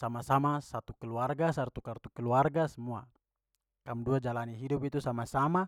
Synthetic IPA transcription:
samasamasat̪ukɛluarɡasart̪ukart̪ukəluarɡasəmua̰ | kamduad͡ʒalaniɦidupit̪usamasama

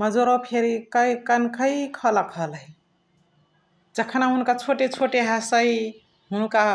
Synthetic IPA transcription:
məd͡ʒoɾopʰeɾikəjkənkəikʰələkʰɦəli | d͡ʒəkʰənaɦunkat͡ʃʰoʈet͡ʃʰoʈeɦəsəi | ɦunka

